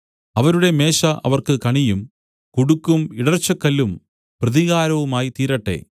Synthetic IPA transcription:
ɐʋɐɾuɽe̞me̞ːʂɐʔɐ̰ʋɐrkɨkɐɳijum | kuɽukːumiɽɐrt͡ɕːɐkːɐlːum | prɐðiɣaːɾɐʋumaːjit̪iːɾɐʈːe̞̰ː

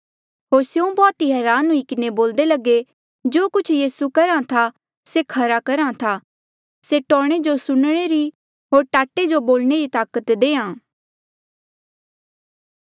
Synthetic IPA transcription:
ɦoːɾseũbɔːt̪iɦɛːɾaːnɦʊikɪneboːld̪elɐɡe | d͡ʒoːkʊt͡ʃʰjiːsukɐɾãt̪ʰa | sekʰɐɾakɐɾãt̪ʰa | seʈɔːɽ̃ed͡ʒosʊɽɽ̃eɾi | ɦoːɾʈaːʈed͡ʒoboːlneɾit̪aːkət̪d̪eːãː

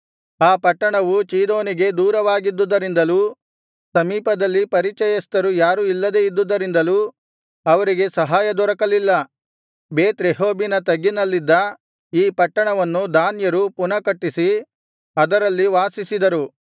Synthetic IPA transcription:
aːpɐʈːɐɳɐʋut͡ʃiːd̪o̞ːniɡe̞d̪uːɾɐʋaːɡid̪ːud̪ɐɾind̪ɐluː | sɐmiːpɐd̪ɐlːipɐɾit͡ʃɐjɐst̪ɐɾujaːɾuilːɐd̪e̞ːid̪ːud̪ɐɾind̪ɐluː | ɐʋɐɾiɡe̞sɐɦaːjɐd̪ɔɾɐkɐlilːɐ | beːt̪ɾeɦoːbinɐt̪ɐɡːinɐlːid̪ːɐ | iːpɐʈːɐɳɐʋɐnːud̪aːnjɐɾupunɐkɐʈːisi | ɐd̪ɐɾɐlːiʋaːsisid̪ɐɾu

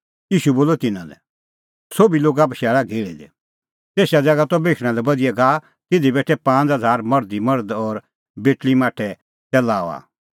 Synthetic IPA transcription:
jiːʃuboːlɔt̪ɪnãlɛ̰ | sobiloːɡaːp̬ʃɛːɭaɡʱeːɭid̪ɛ̰ | t̪eːsad͡zɐɡat̪ɔbeːkʰɽ̃ãlɛbɐd̪ɪɛɡaː | t̪ɪd̪ibɛːʈʰɛpãːt͡sɦɐd͡zʱaːɾmɐɾd̪imɐɾd̪ɔːɾ | beːʈlimaːʈʰɛ | t͡sɛlaːɔ̰a̰ː

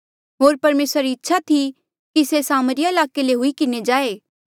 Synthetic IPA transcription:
ɦoːɾpɐɾmeːsɾaɾiːtːʃʰat̪ʰi | kisesaːməɾɪjaɪlaːkeleɦʊikɪned͡ʒaːeː

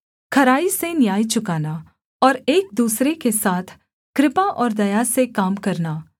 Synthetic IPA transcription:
kʰɐɾaːisenjaːit͡ʃʊkaːna | ɔːɾeːk̚d̪uːsɾekesaːt̪ʰ | kɾɪpaʔɔːɾd̪ɐjasekaːmkɐɾnaː

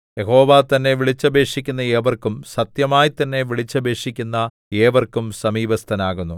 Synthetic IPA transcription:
jeho̞ːʋaːt̪ɐnːe̞ʋiɭit͡ɕːɐbe̞ːʂikʲːunːɐe̞ːʋɐrkumsɐt̪jɐmaːjit̪ːɐnːe̞ʋiɭit͡ɕːɐbe̞ːʂikʲːunːɐ | eːʋɐrkumsɐmiːbɐst̪ʰɐnaːɣunːu

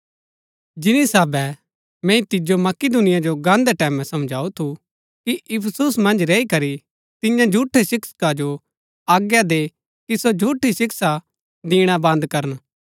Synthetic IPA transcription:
d͡ʒɪnisaːbɛ | mɛ̃ːĩt̪ɪd͡ʒomɐkid̪ʊnɪjad͡ʒoɡãːnd̪ɛʈɛːmɛ̃sɐmd͡ʒʱaːut̪ʰu | kiʔɪpʰəsusmɐ̃nd͡ʒɾɛːikɐɾi | t̪ɪjãd͡ʒʱuːʈʰːesɪksə̥kad͡ʒo | aːɡjad̪e | kisod͡ʒʱuːʈʰisɪksa | d̪iːɽ̃abɐ̃nd̪kɐɾən

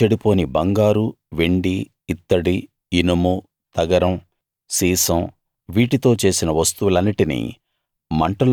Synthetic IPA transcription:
eɽipo̞ːnibɐŋɡaːɾu | ʋeɳɖiː | t̪ːɐɽi | inɐmu | t̪ɐɡɐɾɐm | siːsɐ̃m | ʋiːʈit̪o̞ːt͡ʃe̞ːsinɐʋɐst̪uʋulɐnːiʈinḭ | mɐɳʈɐl

